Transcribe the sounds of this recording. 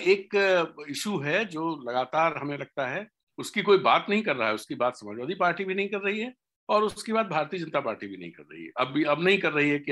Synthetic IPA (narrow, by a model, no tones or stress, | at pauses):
eːkɪʃuɦɛd͡ʒoːlɐɡaːt̪aːɾɦɐmẽlɐɡ̚t̪aɦɛ | ʊskikoːibaːt̪nɐɦĩkɐɾːɐɦaɦɛʊskibaːt̪sɐmaːd͡ʒʋaːd̪ipaːɾʈibʱinɐɦĩkɐɾːɐɦiɦɛ | ɔːɾʊskibaːd̪̚bʱaːɾt̪iəd͡ʒɐ̃nət̪apaːɾʈibʱinɐ̰ɦḭ̃kɐ̰ɾːɐ̰ɦḭɦɛ̰ɐbiɐbnɐɦĩkɐɾːɐɦiɦɛki